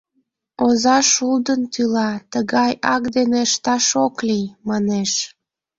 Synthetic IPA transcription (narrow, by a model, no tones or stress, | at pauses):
ozɑʃuld̪ənt̪ylɑt̪əɣɑjɑkd̪eneʃt̪ɑʃoklijmɑneʃ